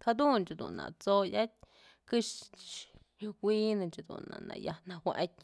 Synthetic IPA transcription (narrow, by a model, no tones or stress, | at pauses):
kʰad̪unt͡ʃid̪una̰t͡sojat̚ʲ | kɨʃt͡ʃ | juinɨnt͡ʃid̪ṵnanajanawʷaʔtʲ